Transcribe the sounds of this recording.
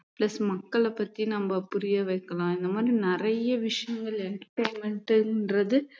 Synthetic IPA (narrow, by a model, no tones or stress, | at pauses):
plɐsmɐkːɐɭɐpːɐt̪ːinɐmbɐpʊɾɪjɐʋɐɪkːɐlãːɪnd̪ɐmaːd̪ɾinɪɾɐjɐʋɪʂɐjɐŋɡɐɭɛnkʈːɐɪmɛɳʈɯnrɐðɯ